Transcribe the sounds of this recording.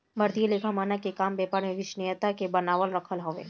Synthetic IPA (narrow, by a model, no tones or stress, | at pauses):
məɾt̪ijelekʰamanakekambɛpaɾneʋɪʃnijət̪akebənaʋəlɾəkʰəlɦəʋḛ